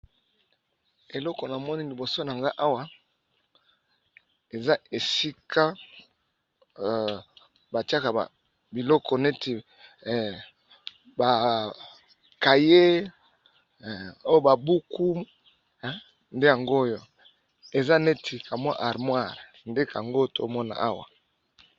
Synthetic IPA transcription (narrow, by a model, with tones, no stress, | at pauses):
e˨lɔ˦kɔ˨na˨mɔ˦ni˦li˨bo˨so˦na˨ŋɡa˦ʔa˦wa˨ | e˨za˦e˨si˦kʰa˦ | ba˨ti˦a˦ka˨ba̰˨ | bi˨lɔ˦kɔ˨ne˦tʰi˨ | ba˨ | ka˨je˦˨ | o˦jo˦ba˨bu˦ku˦m˦ | nde˦ja˨ŋɡo˦jo˦ | e˨za˦ne˦tʰi˨ka˨mwa˦ʔa˨ʁmwa˦˨ʁnde˦ka˨a˨ŋɡo˦to˦mɔ˦na̰˨a˦wa̰˨